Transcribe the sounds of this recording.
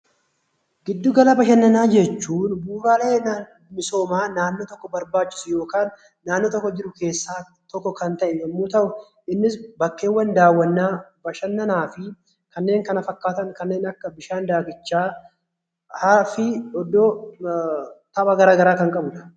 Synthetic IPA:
ɡɪd̪ːʊɡɐlɐbɐʃɐnːɐnaːd͡ʒɛt͡ʃːuːnbuːbaːle̞ːn | mɪso̞ːmaːnaːnːoːt̪ɔkːɔbɐɾbaːt͡ʃːɪ̥sʊjo̞ːkaːnː | aːnːoːt̪ɔkːɔd͡ʒɪɾʊke̞ːsːaː | t̪ɔkːɔkɐnt̪ɐʔɪjɛmːuːt̪ɐʔʊ | ʔɪnːɪsbɐkːe̞ːwːɐnd̪aːwːɐnːaːb̥ɐʃɐnːɐnaːfɪ | kɐnːe̞ːŋkɐnɐfɐkːaːt̪ɐŋkɐnːe̞ːnɐkːɐbɪʃaːnd̪aːɡɪt͡ʃːaː | haːfɪɔd̪ːoː | t̪ɐbɐɡɐɾaːɡɐɾaːkɐŋkʼɐbʊᶑɐ̥

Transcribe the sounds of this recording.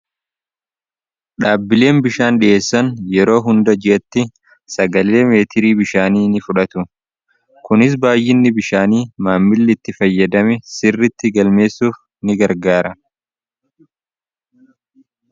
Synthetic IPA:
ᶑaːbːɪle̞ːmbɪʃaːnɗɪʔe̞ːsːɐnjɛɾo̞ːɦʊnd̪ɐd͡ʒɪʔɐt̪ːɪ | sɐɡɐle̞ːme̞ːt̪ʰɪɾiːbɪʃaːniːnɪfʊᶑɐt̪ʊ | kʊnɪs̬baːjʔɪnːɪbɪʃaːniːmaːmːɪlːɪt̪ːɪfɐjːɐd̪ɐmɛsɪrːɪt̪ːɪɡɐlme̞ːsːuːf | nɪɡɐɾɡaːɾɐ

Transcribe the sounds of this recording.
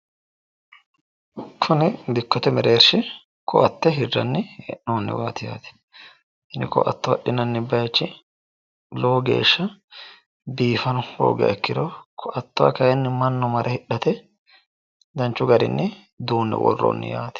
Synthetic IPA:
kʰʊnɛb̪ɪkːɔt̪ɛmɛɾeːɾʃɪ | kʰɔʔɐt̪ːɛɦɪrːɐ̰nːɛɛ̰ʔoːnːɪ̰waːt̪ɪja̰ːt̪ɛ̥ | ʔɪnːɪkɔ̰ʔɐ̰t̪ːʊɐɗɪnɐnːɪbɐjt͡ʃːɪ | loːɡḛːʃːɐ | biːfɐnʊho̰ːɡɐ̰ɛkːɪd̪okʰɔʔɐt̪ːʊwɐ̰kɐjɛnːɪmɐnːɔmɐɾʔɛhɪᶑɐt̪ɛ | d̪ɐnt͡ʃːʊɡɐɾɪ̰nːɛ | d̪uːnːɛ̰wɔ̰rːo̰nːɪ̰jaːt̪ɪ̥

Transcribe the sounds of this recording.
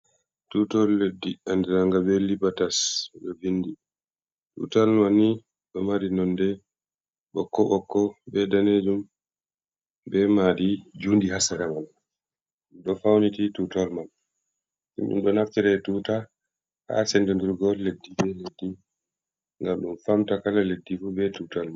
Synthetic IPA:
tutɔlledːiandɛɾaŋɡabɛlibatasɗɔvindi | tṵtalmani | ɗɔmaɾinɔndɛ | ɓɔkːɔɓɔkːɔbɛdaned͡ʒum | bɛmaɗid͡ʒuːndihasaɾaman | ɗɔfawnititutalmal | ṵmɗṵmɗɔnaftiɾɛtuːta | ha̰sɛndɛŋɡiɾɡɔlledːibɛledːi | ŋɡamɗumfamtakalaledːifubɛtutalma

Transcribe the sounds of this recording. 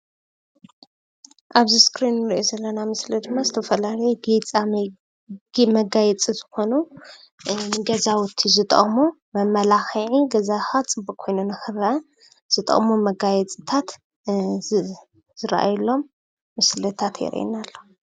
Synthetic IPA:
ʔaβziskɾinːɨɾiʔozɐlːɐnamɨslid̪ɨmːazɨt̪ʰɐfɐlalɐjoɡet͡sʼa | mɐɡajɛt͡sʼizɨ̥xo̞nu | ɡɐzawʊt̪ʰːizɨt̪ʼɐ̰ʔʼmu | mɐmɐlaxiʕiɡɐzaxat͡sʼɨbukʰːo̞jnunɐxɨrɐɐ | z̥ɨt̪ʼɐ̰kʼmumɐɡajɛt͡sʼit̪ʰat̪ | z̥ɨɾʔa̰julːo̞mː | ɨslɐt̪ʰat̪ʰjɛ̰ɾ̰ḭnalːo

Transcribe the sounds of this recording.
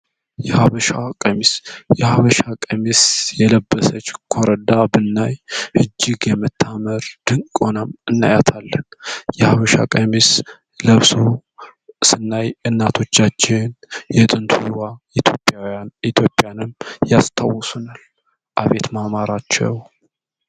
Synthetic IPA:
jɛhaβəʃakʼəmisjɛhaβəʃakʼəmisjɛləbːəsət͡ʃːkʰoɾəd̪abɨnːajhɨd͡ʒːɪɡjɛmɨt̪ʰːaməɾd̪̥ɨŋkkʼonəmɨnːa̰jat̪ʰalːənjɛhaβəʃa̰kʼəmis | ləβsu | sɨnːajɨnːat̪ʰo̞t͡ʃːat͡ʃːɪnjɛt̪ʼɨnt̪ʰujwa | it̪ʰjo̞pʼːjaait̪ʰjo̞pʼːjanɨmjast̪ʰawːɔsunal | ʔaβe̞t̪mamaɾat͡ʃːɛ̰w

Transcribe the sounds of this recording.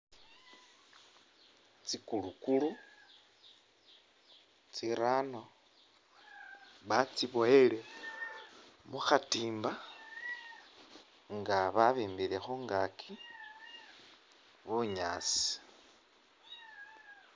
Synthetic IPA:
t͡sikulukulu | t͡siɾano̞ | βat͡siβojele̞ | muxatiːmba | ŋɡaβaβiːmbiɾe̞xuŋɡakʰi | βuɲaːt͡si̥

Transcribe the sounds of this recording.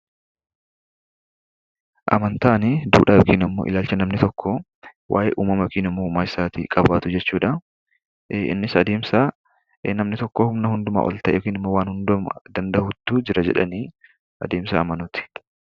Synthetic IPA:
ʔɐ̰mɐnt̪aːnɪd̪ṵːᶑaːbkʼiːnɐmːo̰ʔɪ̰laːlt͡ʃɐnɐmnɪt̪ɔkʰːɔ | wʔa̰ːʔḛːʔuːmɐmɐkʼiːnɪmːoːmaːɪsaːt̪ḭkʼɐbaːt̪ʊd͡ʒɛt͡ʃːuːᶑɐ | ɪ̰nːɪsɐd̪e̞ːmsa | nɐmnɪt̪ɔkːɔhʊmnɐhʊnd̪ʊma̰ːʔɔ̰lt̪ɐʔjkiːnɪmːowaːnhʊnd̪ʊmɐd̪ɐnd̪ɐhʊt̪ːʊd͡ʒɪɾɐd͡ʒɛ̰ᶑɐ̰niː | ʔɐ̰d̪e̞ːmsa̰ːmɐnʊt̪ɪ̥

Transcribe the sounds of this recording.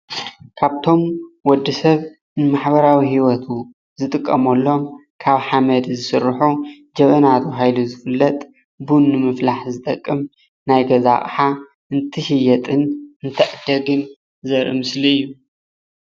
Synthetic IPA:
kʰaβt̪ʰo̞mwɔd̪ːisɐβ | nɨmaħbɐɾawihiwɔt̪ʰu | zɨt̪ʼɨkʼːɐmɐlːo̞m | kʰaβħamɐd̪zɨsɨɾħu | d͡ʒɐβɐnat̪ʰuɦajluzɨfɨlːɐt̪ʼ | bunːɨmɨflaħzɨt̪ʼɐkʼːɨm | najɡɐza̰χʼħa | ʔɨnt̪ʰɨʃɪjɐt̪ʼɨnɨnt̪ʰɐʔɨd̪ɐɡɨn | zɐɾɨmɨsliɨjːu

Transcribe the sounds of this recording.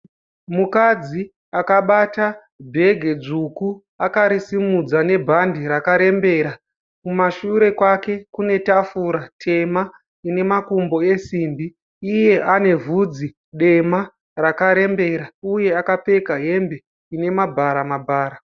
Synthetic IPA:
mukad͡zi | akaɓata | bʱe̞ɡʱe̞d͡ʐuku | akaɾisimud͡zane̞bʱandiɾakaɾe̞mbe̞ɾa | kumaʃuɾe̞kwake̞kune̞tafuːɾatʰe̞ma | ine̞makumbo̞e̞siːmbiː | je̞ʔane̞vʱud͡zi | ɗe̞ma | rakaɾe̞mbe̞ɾauje̞akape̞kaɦe̞mbe | ine̞mabʱaɾamabʱaːɾa

